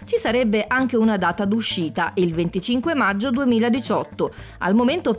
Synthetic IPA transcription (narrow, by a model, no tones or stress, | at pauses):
t͡ʃisaɾɛbːeʔaŋk̟eunad̪aːt̪ad̪uʃːiːt̪aʔilvent̪it͡ʃiŋkwemad͡ʒːod̪uemiːlad̪it͡ʃɔt̪ːoa̰lmoment̪o